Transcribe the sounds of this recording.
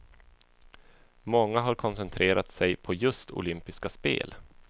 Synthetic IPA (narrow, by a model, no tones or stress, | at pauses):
mɔŋːaɦaɾkʰɔnsɛnt̪ʰɾeːɾat̪sɛjpʰɔjɵst̪ʰʊ̰lʏmpɪskaspḛːl